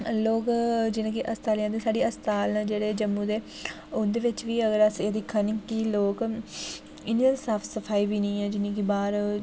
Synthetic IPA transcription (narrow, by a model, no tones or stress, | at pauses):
loːkd͡ʒɪnẽːkiʔəst̪aːljãːd̪esaːɖiːəst̪aːlnãːd͡ʒeːɽeːd͡ʒəmːud̪eː | ʊnd̪eːʋɪt͡ʃʋiːəɡəɾəseːd̪iːkʰənɪ̃ŋkiloːk | ɪniəlsaːfʰsəpʰaːiːbiːnə̃ːɛ̃ːd͡ʒɪnẽːkibaːɾ